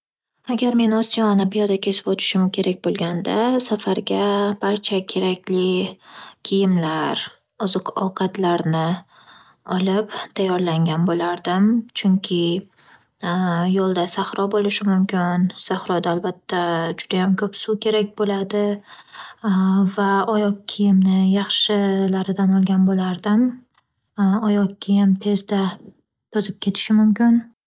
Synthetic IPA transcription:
aɡʲaɾme̞nɒsijɒnɪbijɒd̪akʲʰe̞sɪ̥pot̪ʰɪ̥ʃɪmkʲʰe̞ɾʔakʲbolˠɡʲand̪asafaɾɡʲab̥aɾt͡ʃʰakʲʰe̞ɾakʲlɪ | kʲʰɪjɪmlaɾ | ʊzɨqɒwqʰɑt̪laɾnɪ | ɒlɪpt̪ʰajːɒɾlaŋɡʲanbolaɾd̪ɪmt͡ʃʰʊŋkʲʰɪ | jolˠd̪asaχɾɒbolɪʃɪmʊmkʲʰɪnsaχɾɒd̪aːlbat̪ʰːad͡ʒʊd̪ajamkʰɵpsukʲʰe̞ɾakʲbolad̪ɪ | vaɒjɒkʲʰijɪmnɪjɑχʃɪlaɾɪd̪anɒlˠɡʲanbolaɾd̪ɪm | ɒjɒk̚kʲːʰijɪmt̪ʰe̞zd̪a | t̪ʰɒzɪp̚kʲʰe̞t̪ʰɪ̥ʃɪmʊmkʲɪn

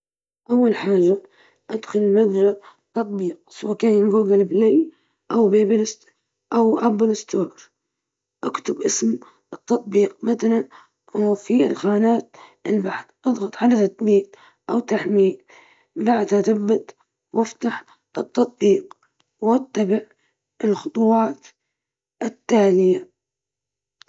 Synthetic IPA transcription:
ʔawːalħaːd͡ʒa | ʔad̪xʊllmaðd͡ʒat̪ːɑt̪ˤbiːq̚sawaːkaːjnɡuːɡɪlblej | ʔawbeːbilɪst̪ | ʔawʔabɪlɪst̪oːɾ | ʔakt̪ʊbʔɪsm | ɨt̪ːɑt̪ˤbiːq̚maθalan | fiɪ̰lxaːnaːt̪ʔɪlbaħd̪ʔɑðˤɣɑt̪ˤʕalat̪at̪miːl | ʔawt̪aħmiːl | baʕd̪haθabːat̪ | waft̪aħ | ʔɨt̪ːɑt̪̚ˤbiːq | wat̪ːabɪʕ | ɪlxʊt̪ˤuwɑːt̪ | ɪt̪ːaːlɪja

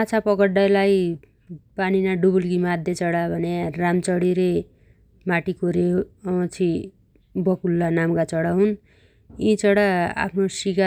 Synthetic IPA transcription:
at͡sʰapʌɡʌɽɖʌjlaj | paninaɖubulɡimad̪ʱjet͡sʌɽabʱʌnearamt͡sʌɽiɾe | maʈikoɾet͡sʰi | bʌkulːanamkat͡sʌɽaɦun | ĩt͡sʌɽaa̰pʰnosika

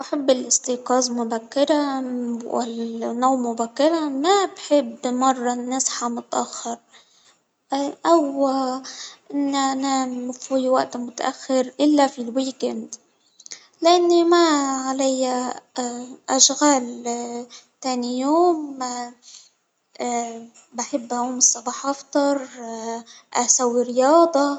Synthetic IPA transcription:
ʔaħabːɪlʔɪst̪iːqɑːzmʊbakːɪɾawɪ̰lnːawmːʊbakːɪɾamabħɪbːmɑrˤːɑnːasħamʊt̪ʔa̰xːɑɾ | ʔaw | ʔɪnːʔanamfijwaʔt̪mʊt̪a̰ʔaxːɪɾʔɪlːafilwiːkɪnd̪ | lʔanːimaʕalajːa | ʔaʃɣaːl | t̪eːnijoːm | baħɪbːʔahuːmɨsˤːɑbɑːħʔɑft̪ˤɑɾˤ | ʔasawːiɾɪjɑːd̪ˤɑ

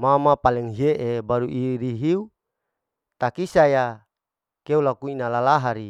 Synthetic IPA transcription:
mamapalɛŋɦieʔebaɾuʔiɾiɦiu | t̪akisaja | keulakuinalalaɦaɾi

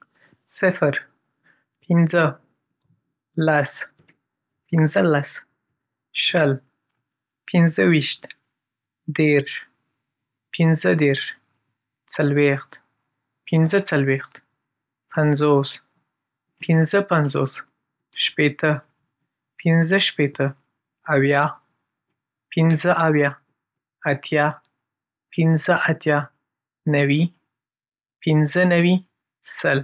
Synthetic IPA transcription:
sɪfɾ | pʰɪnzə | las | pɪnzəlas | ʃəl | pɪnzəwiʃt̪ | d̪eɾʃ | pɪnzəd̪eɾʃ | t͡salwext̪ | pinzət͡salwext̪ | pʰanzos | pʰɪnzəpanzo̰s | ʃpet̪ə | pʰɪnzəʃpet̪ʰə | awjɑ | pʰɪnzəʔawjɑ | at̪ʰjɑ | pɪnzəʔat̪jɑ | nawi | pɪnzənawi | səl

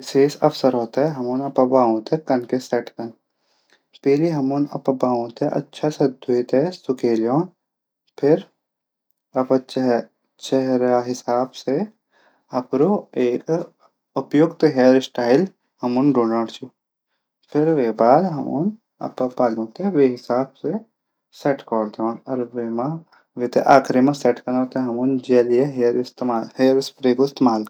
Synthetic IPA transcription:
ɪseːsɐʋsəɾɦoːt̪aɦɛɦɐmunɐpɐbaːõːt̪ɛkɐnkesɛːʈkɐn | peːliɦɐmunɐ̰pɐbaːõːt̪ɛʔɐ̰tːʃʰasɐd̪ʱuit̪ɛsʊkeːljoːn | pʰɪɾ | ɐpt͡ʃ | t͡ʃɛɦɾaɦɪsaːbse | ɐpɾoeːk | ʊpjʊɡt̪oɦeːɾsʈaːɪl | hɐmʊnɖoːnaɽt͡ʃʰu | pʰɪɾʋeːbaːd̪ɦɐmṵn | ɐ̰ppaːlõːt̪eʋeɦɪsaːbse | sɛʈkɔːɽt̪eãɐɾʋemã | ʋɪt̪eʔaːkʰɾimãsɛʈkɐnãːt̪eɦɐmund͡ʒeːlijeɦeːɾɪst̪maːlheːɾɪspɾeːkɪst̪emaːl

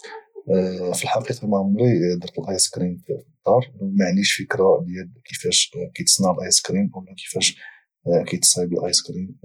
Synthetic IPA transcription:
filħɑqiqɑmaʕmulid̪əɾt̪əlʔɑjskɾimft̪ˤːɑɾˤmaʕniʃfəkɾad̪jælkəfæʃkɑjt̪ə̥sˤnaʕəlʔɑjskɾimwlːækə̥fæʃ | kæjt̪sˤbəlʔɑjskɾim

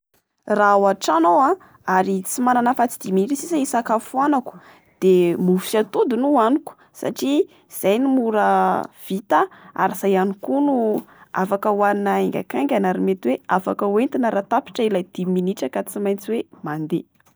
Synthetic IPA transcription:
rawaʈ͡ʂanowã | aɾit͡simananəfat͡si̥d̪̥iminiʈ͡ʂəsisaisakafuanaku̥ | d̪̥emusiat̪ud̪unuaniku̥ | sa̰ʈ͡ʂi | z̥ajnimuɾəv̥it̪əa̰ɾiz̥ajanikunua̰fakəwaninaeŋɡʲa̰kaŋɡʲanaɾimet̪weafakəwent̪inəɾat̪api̥ʈ͡ʂəilajd̪̥iminiʈ͡ʂəkat͡simajnt͡siwemand̪e

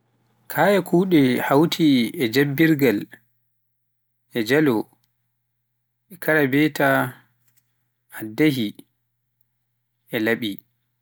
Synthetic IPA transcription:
kʰajɛkʰuːɗɛhawtʰiɛd͡ʒabːiɾɡal | ɛd͡ʒalɔ | ɛkʰaɾabɛta | adaɦi | ɛlaɓi

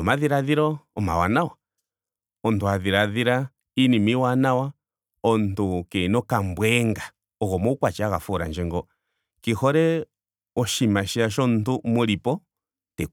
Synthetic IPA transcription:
ɔmaðiɾaðiɾɔɔma̰wa̰nawa | ɔntuaðiɾaðiɾa | inimiwanawa | ɔntukɛnɔkambwɛŋɡa | ɔɣɔmɔukwat͡ʃiaɣafɔɾa̰nd͡ʒɛŋɡɔ | kihɔɾɛ | ɔʃimaʃiaʃɔntumɔɾipɔ | tɛ

